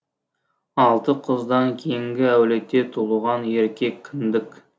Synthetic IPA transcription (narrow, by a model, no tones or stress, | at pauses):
ɑlˠt̪əqʰəzd̪ɑŋkʲʰejɪŋɡʲɪæwle̞t̪ːe̞t̪ʰulˠuʁɑneɾkʲe̞kʲʰːɪnd̪ɪk